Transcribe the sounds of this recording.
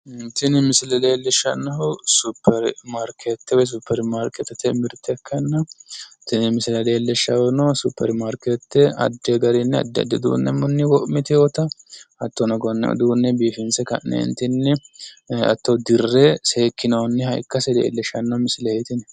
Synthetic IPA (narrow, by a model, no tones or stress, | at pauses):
ɪnt̪ɪnɪmɪsɪlɐlelːɛʃːɐnːɐɦʊsupːɛɾmaɾkʰet̪ːɛwɛs̬upʰːɛɾmaːɾkɛt̪ːɛt̪ːɛmɪɾt̪ːɛkʰːɐnːɐt̪ːɪnɪmɪsɪlɐleːlːɛʃːɐwɛnosupːɛ̰ɾmaːɾkeːt̪ːɛɐ̰d̪ːɛɡɐɾɛnːɛɐ̰d̪ːɛɐ̰d̪ːɛd̪ṵːnːɛ̰mːɔnːɪwɔʔmɪt̪ɛwɔt̪ɐɐt̪ːɔnɐɡɔn̰ːʔd̪uːnːɛbiːfɪnsɛkɐ̰ʔnnɛ̰ɪ̰nt̪ːɪnːɛ | ɐ̰t̪ːɐʊd̪ɪrːɛseːkːɪnɐwnːɛhɐjkːɐsɛd̪ḛːlːɛʃɐnːɐhʊmɪsɪlɛhet̪ɪnɛ